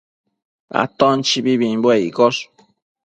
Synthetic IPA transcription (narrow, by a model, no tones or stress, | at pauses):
a̰t̪ont͡ʃibiβĩmbweikos